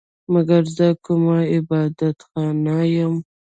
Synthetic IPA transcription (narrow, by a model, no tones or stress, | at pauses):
maɡaɾzəkʊmaɪbɑd̪at̪xɑnajəm